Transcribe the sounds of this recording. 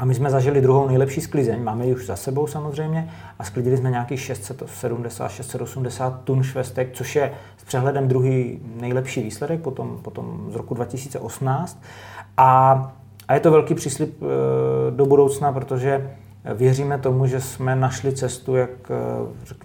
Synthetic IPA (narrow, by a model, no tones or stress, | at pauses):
ʔamɪsmɛzaʒɪlɪd̪ɾuɦownɛjlɛpʃiːsklɪzɛɲmaːmɛjɪuʒzasɛbo̞wsamozr̝ɛjmɲɛ | ʔasklɪɟɪlɪsmɛɲɛakiːxʃɛst̪sɛt̪sɛdumdɛsa̰ːt̪ʃɛst̪sɛt̪osumdɛsaːt̪ːunʃvɛst̪ɛk̚t͡soʃjɛ | spr̥ɛɦlɛdɛmd̪ɾuɦiːnɛjlɛpʃiːviːslɛdɛk̚pot̪o̞mpot̪o̰mzɾokudvacɪsiːt͡sɛʔo̞sm̩naːt͡st̪̚ʔa | ʔajɛt̪ovɛlkiːpr̝̥iːslɪp̚ | do̞budowt͡snap̬ɾot̪oʒɛ | vjɛriːmɛt̪o̞muʒɛsmɛnaʃlɪt͡sɛst̪ujakrɛk